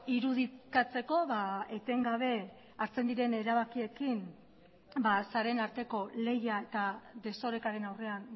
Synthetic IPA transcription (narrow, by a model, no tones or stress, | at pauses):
iɾuð̞ikat͡se̞ko̞βaet̪e̞ŋɡaβ̞e̞ | aɾt͡se̞nd̪iɾe̞ne̞ɾaβakie̞kim | basaɾe̞naɾt̪e̞ko̞le̞jae̞t̪ad̪e̞so̞ɾe̞kaɾe̞nawre̞an